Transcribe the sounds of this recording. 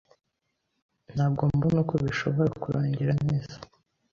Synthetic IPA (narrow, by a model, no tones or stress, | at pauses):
n̥haːbɡo̞ːmbanukoβiʃo̞βo̞ɾakuɾʔaːɲɟeɾaneːz̥ḁ